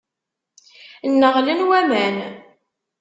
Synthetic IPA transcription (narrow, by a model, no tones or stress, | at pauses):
nːəʁlənwæmæn